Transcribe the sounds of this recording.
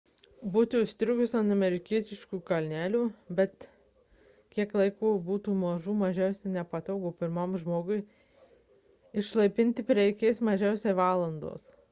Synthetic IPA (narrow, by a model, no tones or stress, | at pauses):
buːt̪ʲɪʊʃʲt̪ʲɾʲʊɡʊsɐnt̪ɐmʲɛɾʲɪkʲiɛt̪ʲɪʃkuːkɐlʲnʲæːlʲuːbʲɛt̪ | kʲiɛklˠɐɪkuːbuːt̪uːmɐʒuːmɐʒʲɛʊsʲɛnʲɛpɐt̪ɐʊɡoːpʲɪɾmomʒmoːɡʊɪ | ɪʃlˠɐɪpʲɪnʲt̪ʲɪpʲɾʲɛɪkʲeːsmɐʒʲɛʊsʲeːʋɑːlˠɐnd̪o̰ːs